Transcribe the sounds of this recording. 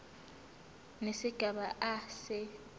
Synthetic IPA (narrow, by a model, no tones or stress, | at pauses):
nesiɡ̥ʱaɓaʔasɛ